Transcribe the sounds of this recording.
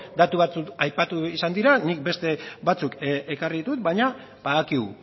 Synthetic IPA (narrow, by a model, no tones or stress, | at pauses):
d̪at̪uβat͡suajpat̪uisand̪iɾanik̚be̞st̪e̞bat͡sukekarit̪ut̪̚bajɲa | paðakiɣu